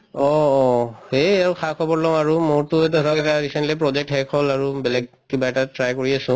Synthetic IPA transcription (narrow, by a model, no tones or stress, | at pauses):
ɔ | heakʰakʰɔbɔɹlɔ̃aɹʊmoɹtʊɛt̬ɔdɔɹakɛtaɹisɛntlipɹɔd͡ʒek̚tɦɛkʰholaɹubɛlɛɡ̚ | kibaɛtatɹajkoɹiasʊ̃